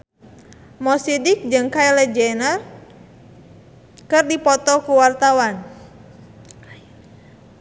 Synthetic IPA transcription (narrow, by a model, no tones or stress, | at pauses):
mɔsidik̚d͡ʒɨŋkaɛlɛd͡ʒɛnər | kɨrdipɔt̪ɔkuwart̪awan